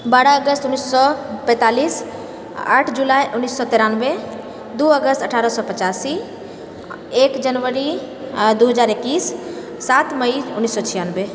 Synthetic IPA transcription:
baːɽaəɡəst̪ʊnːisːɔpɛ̃t̪aːliːs | a̰ːʈʰd͡ʒulajʔʊnːisːɔt̪eɾanbe | d̪uəɡəst̪əʈʰaːɾəsɔpət͡ʃasi | ekd͡ʒənʋəɾi | d̪uɦəd͡ʒaːɾekːiːsː | at̪məiʊnːisːɔt͡ʃʰijanbe

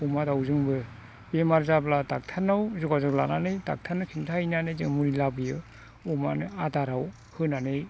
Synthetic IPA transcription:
umadawzɯŋbɯ | bemaɾzabladak̚tʰanːawzuɡazɯklananɯjda̰k̚tʰanːɯkʰintʰainanɯjzɯŋmuɾilabɯjɯ | uma̰nɯadaɾaw | hɯnanɯj

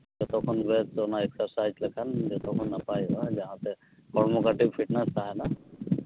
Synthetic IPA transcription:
d͡ʒɔt̪ɔkʰɔnbɛtzɔnaɛksaɹsajzləkʰand͡ʒɔt̪ʰɔkʰɔnːapajɔzaɦãt̪ɛ | kɔɹmɔkaʈibpʰiʈnɛsaɦɛna

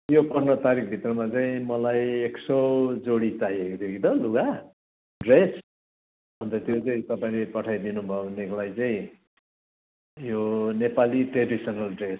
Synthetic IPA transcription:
jopʌrnʌt̪aɾik̚ʰbʱit̪rʌmat͡saĩmʌlajeksʌwd͡zoɽit͡saɦiekot̪ʰjokit̪ʌluɡa | ɖres | bʱʌnt̪ʌt̪jot͡saĩt̪ʌpaĩlepʌʈʰajd̪inubʱʌebʱʌneklajt͡saĩ | jonepaliʈreɖisʌnʌlɖres

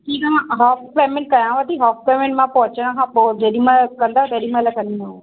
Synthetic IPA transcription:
ʈiːkɐmãɦɔːfpɛːmɪlkɐjãʋət̪iɦɔːfpeːmɪlmãpɐɦʊt͡ɕəɽ̃ə̆kʰãːpod͡ʑeɗimãkɐ̃nd̪at̪ɐɗimalakɐnino

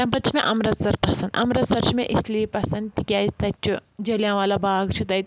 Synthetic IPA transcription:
t̪ɐ̃mpɐt͡ʃʰimẽʔɐmɾɐt̪sɐɾpɐsɐnd̪ɐ̰mɾɐt̪sɐɾt͡ʃʰimẽʔisliepɐsɐnd̪t̪ikʲjaːizt̪ɐt͡ʃʰud͡ʒɐljãːʋaːlabʱaːɡt͡ʃʰut̪ɐit̪

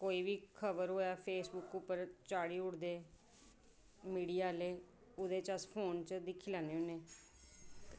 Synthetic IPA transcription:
koːiːbiːkʰəbəɾɦoːjaːpʰeːsbʊkʊpːəɾt͡ʃaːɽiːʊɽd̪eː | miːɖiːaːleː | ʊd̪eːt͡ʃəspʰoːnt͡ʃd̪ɪkʰːiːlaːneːʊneː

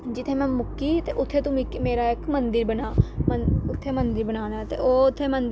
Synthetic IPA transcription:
d͡ʒɪt̪ʰːeːmɛ̃ːmʊkːiːt̪eːʔʊt̪ʰːeːt̪ũːmɪkːmeːɾaːɪkmənd̪ɪɾbənaːməʊt̪ʰːeːmənd̪əɾbənaːnaːt̪ḛːoːʊt̪ʰːeːmənd̪

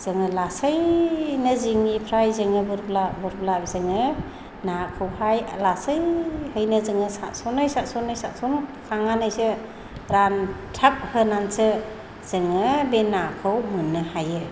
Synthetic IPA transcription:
z̥ɯŋɯlasəjnɯziŋipʰɾajzɯŋɯbɯɾblabɯɾblap̚zɯŋɯ | nakʰɯwhajlasəjhɯjnɯzɯŋɯsasɔnɯjsatsɔnɯjsatsunkʰaŋanajsɯ | ɾantʰap̚hɯnansɯ | z̥ɯŋɯbenakʰɯwmɯnːɯhajɯ

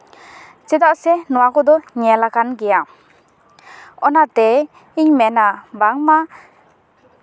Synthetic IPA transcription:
t͡ʃɛd̪aʔsɛnɔwakɔd̪ɔɲɛlakanɡɛja | ɔnat̪ɛ | iɲmɛnabaŋma

